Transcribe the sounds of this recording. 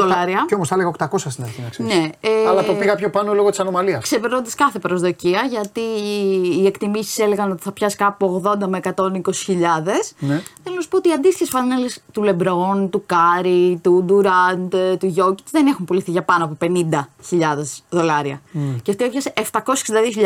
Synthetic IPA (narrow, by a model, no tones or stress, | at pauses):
olɐɾiɐcomosθɐleɐokt̪ɐko̞sɐst̪inɐɾçinɐksene̞eɐlɐt̪opiɣɐpçopɐnolo̞ɣot̪i̥sɐno̞mɐliɐskse̞peɾnod̪ɐskɐθe̞pɾo̞zðo̞ciɐʝɐt̪iː | ekt̪imisi̥sele̞ɣɐno̞t̪i̥θɐpçɐskɐpuoɣðo̞nd̪ɐmeekɐt̪o̞niko̞si̥çiʎɐðe̞sneθelonɐsu̥pot̪iɐnd̪ist̪içe̞sfɐnele̞st̪ule̞bɾo̞nt̪ukɐɾit̪und̪uɾɐnd̪t̪uʝo̞ci̥t̪ðene̞xumpoliθiʝɐpɐnoɐpope̞nind̪ɐçiʎɐðe̞zðo̞lɐɾiɐ̰ceft̪iepçɐseft̪ɐko̞sseksind̪ɐðioçiʎ